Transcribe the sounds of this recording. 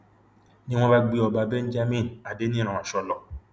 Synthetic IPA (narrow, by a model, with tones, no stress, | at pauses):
nĩ˦w̃ɔ̃˦ba˦ɡ͡bi˧ɔ˨ba˧˦bɛ˦n̩˦d͡ʒa˦mĩ˦˨na˨de˨˦nĩ˦ɾ̃ã˨ã˨ʃɔ˧lɔ˨